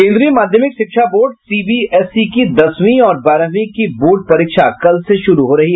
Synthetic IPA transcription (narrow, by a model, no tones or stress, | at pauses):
kẽːnd̪ɾiemaːd̪ʱjəmɪkʃɪkʃʰaboːɾɖsiːbiɛsikid̪ɐsʋĩɔːɾbaːɾəʋĩkiboːɾɖ̚pɐɾiːkʃakɐlseʃʊɾuɦoɾɐɦiɦ